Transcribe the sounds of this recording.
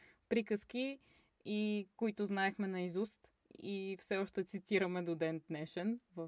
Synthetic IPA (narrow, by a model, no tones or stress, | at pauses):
pɾikəski | ikoit̪ʊznaɛxmɛnɐizust̪ | ifsɛɔʃt̪ɛt̪sit̪iɾəmɛd̪od̪ɛnd̪nɛʃɛnvəf